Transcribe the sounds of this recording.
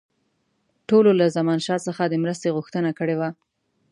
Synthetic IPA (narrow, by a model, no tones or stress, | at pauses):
ʈololazamɑnʃɑsəxad̪əmɾəst̪eɣʊxt̪ənakəɽewa